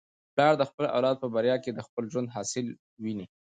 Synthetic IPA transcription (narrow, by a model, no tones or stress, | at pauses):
plɑɽd̪əxpəlʔa̰wlɑd̪̚pəbaɾjɑked̪əxpəlʒwand̪ɦɑsɪl | wini